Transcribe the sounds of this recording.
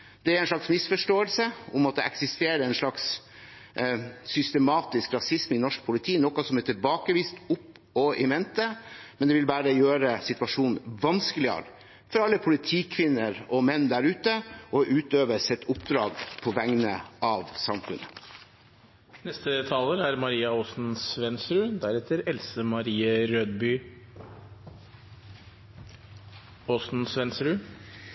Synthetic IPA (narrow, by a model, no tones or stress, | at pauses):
d̪̥ɛæɾɛnʂlɑksmɪsfɔʂʈoːəlsəʊmɑt̪̚d̪ɛɛksɪst̪eːɾəɾɛnʂlɑks | sʏst̪əmɑːt̪ɪskɾɑsɪsmɪnɔʂk̚pʰʊlɪt̪ʰiːnɔːkɑsɔmɛt̪ʰɪlbɑːkəʋiːst̪ʊpː | ɔɪʋɛnt̪əmɛnd̪ɛʋɪlbæːɾəjøːɾəsɪt̪ʋɑʂuːnʋɑnskəlɪə̰ɾ | fɔɾɑlːəpʰʊlɪt̪ʰiːkʰʋɪnːəɾɔmɛnːd̪æɾʉːt̪əʔɔʔʉːt̪øːʋəsɛt̪ːʊpd̪ɾɑːɡpʰɔʋæŋnə̰ʔɑʋsɑmfʉ̰nə | nɛst̪ət̪ʰɑːləɾæɾmɑɾiːɑoːsn̩sʋɛnsɾʉːd̪æɾɛt̪ʰːəɾɛlsəmɑɾiːəɾøːd̪by | oːsn̩sʋɛnsɾʉː